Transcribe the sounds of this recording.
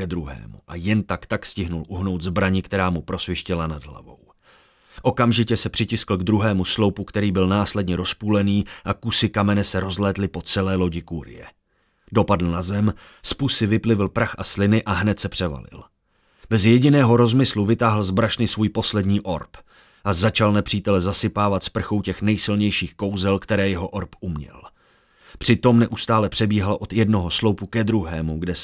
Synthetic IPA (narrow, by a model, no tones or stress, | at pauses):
ɛd̪ɾuɦɛ̰ːmṵʔajɛnt̪akt̪akscɪɦnulʔuɦno̞wt̪zbɾaɲɪkt̪ɛɾaːmupɾo̞svɪɛʃcɪlanadɦla̰vo̞̰w | ʔo̞kamʒɪcɛsɛpr̝̥ɪcɪskl̩ɡd̪ɾuɦɛːmuslo̞wpukt̪ɛɾiːbɪlnaːslɛdɲɛɾo̞spuːlɛniːʔakusɪkamɛnɛsɛɾo̞zlɛːt̪lɪpo̞t͡sɛlɛːlo̞ɟɪkuːɾɪ̰jɛ̰ | do̞padl̩nazɛm | spusɪvɪplɪvɪlpɾaxʔaslɪnɪʔaɦnɛt̪sɛpr̥ɛva̰lɪ̰l | bɛzjɛɟɪnɛːɦo̞ɾo̞zmɪsluvɪt̪aːɦl̩zbɾaʃnɪsvuːjpo̞slɛdɲiːʔo̞ɾp | ʔazat͡ʃalnɛpr̝̥iːt̪ɛlɛzasɪpaːvat̪spr̩xowcɛxnɛjsɪlɲɛjʃiːxko̞wzɛlkt̪ɛɾɛːjɛɦo̞ʔoɾpʔumɲɛ̰l | pr̝̥ɪt̪o̞mnɛʔust̪aːlɛpr̝̥ɛbiːɦalʔo̞t̪jɛdno̞ɦo̞slo̞wpukɛd̪ɾuɦɛːmuɡdɛ